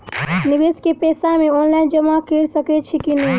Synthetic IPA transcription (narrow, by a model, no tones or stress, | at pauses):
nibeskepesamẽonlaind͡ʒəmakeɾsəkɛt͡ʃʰikine